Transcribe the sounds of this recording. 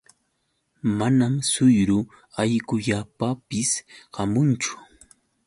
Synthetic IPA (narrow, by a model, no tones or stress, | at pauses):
manamsʊjɾʊ | ajkʊʎapapɪsɢɑmʊnt͡ʃʊ̥